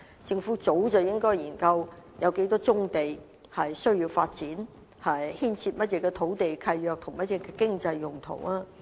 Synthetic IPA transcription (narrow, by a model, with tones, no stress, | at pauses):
t͡sɪ˧ŋfuː˨˥t͡so˨˥wt͡sɐ˨˩wjɪ˥ŋkɔː˥jjiː˨˩nkɐ˧wjɐ˨˧wke˨˥t̪ɔː˥t͡sʊ˥ŋt̪e˨j | hɐ˨jsɵ˥ɥjiː˧wfaː˧t̚t͡siː˨˥n | hɐ˨jhiː˥nt͡sʰi˧t̚mɐ˥t̚jɛː˧˥kɛː˧t̪ʰo˨˥wt̪e˨jkʰɐ˧jjœː˨k̚t̪ʰʊ˨˩ŋmɐ˥t̚jɛː˨˧˥kɛ˧kɪ˥ŋt͡sɐ˧jːʊ˨ŋt̪ʰo̰˨˩waː˥